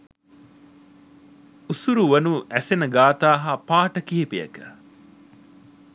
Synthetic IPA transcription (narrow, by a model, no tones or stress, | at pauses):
usuɾuʋɐnuʔæsenəɡaːt̪aːɦapaːʈɐkiɦepijɐ̰kə̥